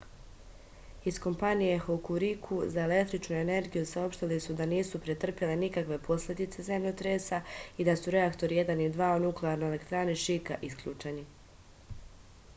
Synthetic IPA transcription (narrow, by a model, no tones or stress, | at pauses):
isko̞mpanije̞xokuɾikʰuzae̞le̞kt̪ɾit͡ʃnue̞ne̞ɾɡijusao̞pʃt̪ilisud̪aniːsupɾet̪r̩pjele̞nikakʋe̞pʰo̞sʎʲe̞d̪it̪se̞ze̞mʎo̞t̪ɾesaid̪asuɾe̞akt̪o̞ɾije̞d̪anid̪ʋaːonukleaːɾnoelekt̪ɾaːneʃikaʔiskʎuːt͡ʃe̞ni